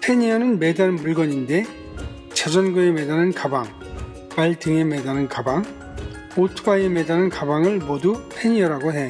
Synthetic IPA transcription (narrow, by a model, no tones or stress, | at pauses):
pʰeɲiʌnɯnmedannmuɭɡʌɲinde̞ | t͡ɕad͡ʑʌnɡɯemedanɯnkabaŋ | paɭtʰɯŋeme̞danɯnkabaŋ | otʰɯbaeme̞danɯnkabaŋɯɭmodupʰe̞ɲiʌɾaɡoɦe̞